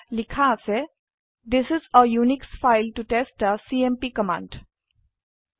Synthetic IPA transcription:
lɪkʰase | d̪ɪsɪzəjuːnɪksfaɪlʈuʈesʈəsiːẽmpiːkəmã̰ːɳɖ

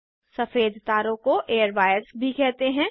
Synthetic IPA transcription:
sɐfeːd̪ʱt̪aːɾõkoʔeːjəɾʋaːjəsbʱikɛɦt̪eɦɛ̃ː

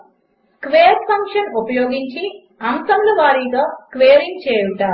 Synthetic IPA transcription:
skʋeːɐɾpʰɐŋkʂɐnupɐjoːɡiɲt͡ʃi | ɐmsɐmluʋaːɾiːt̪oːskʋeːɾiŋɡ̚t͡ʃeːjuʈaː

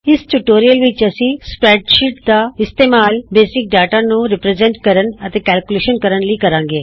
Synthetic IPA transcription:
ɪsʈuʈoːɾijəlʋɪt͡ʃɐsĩːspɾɛːʈʃɪʈd̪aːɪst̪eːmaːlbeːsɪk̚ɖaːʈaːnũɾɪpɾeːzɛ̃ɳʈkɐɾənət̪eːkɛːlkuleːʃənkəɾənliːkɐɾãːŋɡeː

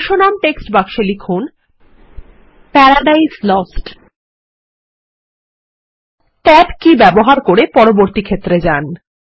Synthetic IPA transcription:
ʃonamʈeksʈbakʃelikʰun | pɛɾaɖajslɔsʈ | t̪ɛʈkibɛboɦaɾkoɾepɔɾoboɾt̪ikʰet̪ːɾed͡ʑan

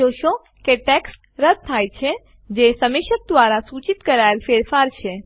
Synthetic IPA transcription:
oːʃõ | keʈeksʈ | ɾəd̪̚t̪ʰːajt͡ʃʰe | d͡ʒesəmeʃət̪̚d̪ʋaɾasut͡ʃit̪kəɾajlfeːɾfaɾt͡ʃʰe

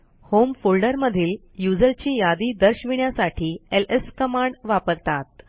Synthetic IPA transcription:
homfolɖəɾməd̪ʱiːl | jud͡zəɾt͡ɕiːjad̪iːd̪əɾɕʋiɳjasaʈʰiːeleskəmaɳɖʋapəɾt̪at̪̚

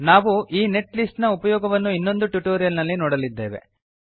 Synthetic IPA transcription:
naːʋuʔiːne̞ʈlisʈnɐupɐjɔːɡɐʋɐnːuinːo̞nd̪uʈjuʈoːɾijɐlnɐlːinoːɽɐlid̪ːe̞ːʋe̞̰

